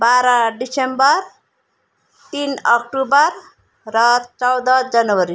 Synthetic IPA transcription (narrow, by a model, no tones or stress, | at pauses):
baɾʌɖisembʌɾ | t̪inʌk̚ʈubʌɾ | ɾʌt͡sʌwd̪ʌd͡zʌnwʌɾi